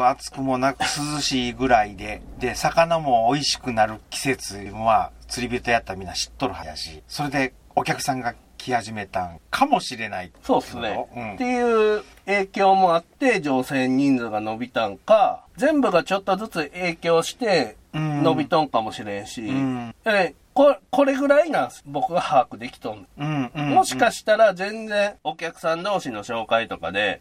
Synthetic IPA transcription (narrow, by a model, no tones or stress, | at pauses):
at͡sɨ̥kɯ̟mo̞nakɯ̥sɨzɨɕiːɡɯ̟ɾaid̪e̞d̪e̞sakanamo̞ːiɕi̥kɯ̟naɾɯ̟kʲi̥se̞t͡sɨbɯ̟̃βat͡sɨɾʲibʲit̪ojat̪ːaɾamʲĩnːaɕi̥t̪ːo̞ɾɯ̟had̪aɕiso̞ɾe̞d̪e̞ | okʲakɯ̟̥sãŋɡa | kʲʰihaʑime̞t̪ã̰ŋkʰamo̞ɕiɾe̞naiso̞ːsɨneɯ̃ɴe̞jɯ̟ː | e̞ːkʲo̞ːmo̞at̪ːe̞d͡ʑo̞ːse̞ɲ̟ːĩnd͡zɨɡano̞bʲit̪ãŋkazẽ̞mbɯ̟ɡat͡ɕo̞t̪ːo̞zɨt͡sɨʔe̞ːkʲo̞ːɕi̥t̪e̞ | no̞bʲit̪õ̞ŋkamo̞ɕiɾẽ̞ɰ̃ɕijai | koko̞ɾe̞ɡɯ̟ɾainãsbo̞kɯ̟ɡahaːkɯ̟d̪e̞kʲi̥t̪õnd̪̃mo̞ɕi̥kaɕi̥t̪aɾazẽ̞nd͡zẽ̞ɴ̃o̞kʲakɯ̟̥sãnd̪o̞ːɕino̞ɕo̞ːkait̪o̞ka̰d̪e̞